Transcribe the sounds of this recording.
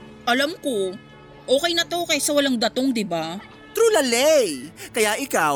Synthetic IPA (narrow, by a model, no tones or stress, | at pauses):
ʔɐlamko̞ | ʔoːkɛjnɐt̪okɐjsɐwɐlaŋd̪ɐt̪o̞ŋd̪ɪba | t̪ɾulɐlɛjkɐjaʔɪkaw